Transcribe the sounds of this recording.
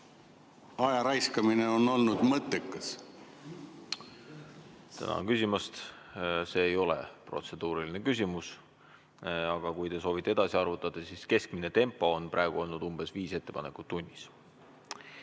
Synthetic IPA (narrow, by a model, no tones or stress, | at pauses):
ɑjɑɾɑjskɑmineo̞nːo̞lnud̪̥mɤt̪ːˑekːɑs | t̪æ̰nɑ̰kysʲimɑst̪se̞ːjo̞lḛpro̞t̪se̞d̪̥uːɾiline̞kys̬ʲimus | ɑɡ̥ɑkujt̪e̞so̞ːvit̪ːˑee̞d̪̥ɑsiɑrvut̪ːˑɑd̪̥ɑsiske̞skmine̞t̪e̞mpˑːo̞onprʔæ̰eɡ̥uo̞lnud̪̥umb̥e̞sviːse̞t̪ːepɑne̞kˑut̪ːunʲːis